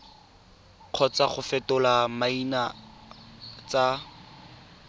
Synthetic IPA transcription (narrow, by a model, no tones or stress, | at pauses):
q͡χʰɔt͡saχʊfɛtʊlamaina | t͡sa